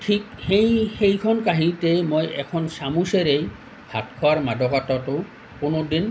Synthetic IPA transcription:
ʈʰik̚xejxejkʰɔnkaɦitemojɛkʰɔnsamuseɾej | bʱatkʰɔaɹmadʱɔkatɔto | kʊnodin

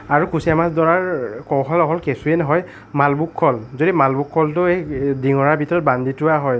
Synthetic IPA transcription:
aɹukusijamasdɔɹaɹkɔɦɔlɔɦɔlkesuɛnɔɦɔj | malbukʰːɔlzodimalbukʰːɔltʊejdiŋɔɹaɹbʱitɔɹɔt̚banditʊaɦɔj

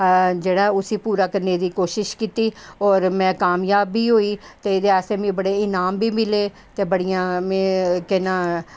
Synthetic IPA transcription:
d͡ʒeːɽaːʊsiːpuːɾaːkəɾneːd̪iːkoːʃɪʃkiːt̪iːɔːɾmɛ̃ːkaːmjaːbːiːɦoːiːt̪eːd̪eɛːseːmĩːbəɽeːɪnaːmbiːmɪleː | t̪eːbəɽijãːmẽːkɛnãː

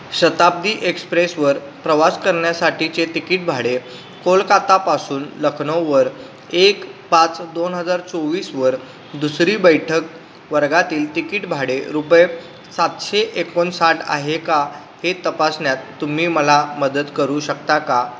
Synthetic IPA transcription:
ɕət̪ab̚d̪iːʔekspɾesʋəɾ | pɾəʋaskəɾɳjasaʈʰit͡set̪ikiʈ̚bʱaɽe | kolkat̪apasuːnləkʰɳoʋəɾ | ekpat͡sd̪onɦəd͡zaɾt͡soʋiːsʋəɾ | d̪usɾiːbəjʈʰək̚ | ʋəɾɡat̪iːlʈikiʈbʱaɽeɾupje | sat̪ɕeʔekonsaʈʰa̰ɦeka | het̪əpasnjat̪ːum̤iːməlaməd̪ət̪kəɾuɕəkt̪aka

